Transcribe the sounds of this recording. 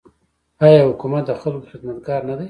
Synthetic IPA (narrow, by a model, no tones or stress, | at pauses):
ɑjɑːhʊkumat̪̚d̪əxalkoxɪd̪mat̪ɡɑɾnad̪aj